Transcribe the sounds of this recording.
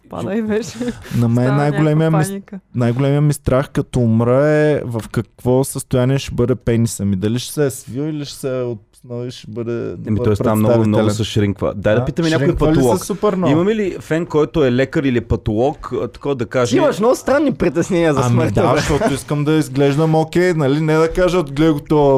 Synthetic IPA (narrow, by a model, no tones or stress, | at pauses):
pa̰vɛt͡ʃɛnɐmɛnnajɡolɛmijəminajɡolɛmijəmist̪ɾʔaxkɐt̪ɔːmɾəɛvɐfkɐkvɔsəst̪ojaniɛʃɛbɤd̪ɛpɛnisɐmid̪ɐliʃsɛsvilˠiliʃɛ̥sɛot̪̚snoiʃɛbɤd̪ɛ̰d̪mit̪ɔjspɾɛamnɔt̪avɡinɛlɛnsɐʃɾiŋkvə̰d̪ajd̪ɐpit̪əmɛnʲaɾʊipɐloilsɔɐsupɛɾnɔimɐmilifɛnkɔjt̪ʊɛlɛkəɾilipɐt̪olˠɔkːt̪ɐ̥kɔvd̪ɐkaʒimɐʃmnɔɡʊst̪ɾanːipɾit̪ɛsnɛniəzɐsməɾd̪ʃt̪ɔt̪ʊiskəmd̪ɐizɡlɛʒd̪əmokʲɛjnɐlinɛd̪ɐkaʒəot̪ɡlɛɡʊt̪o